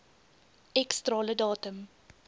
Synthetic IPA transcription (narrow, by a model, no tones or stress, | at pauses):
ʔɛkstrɑːlədɑːtəm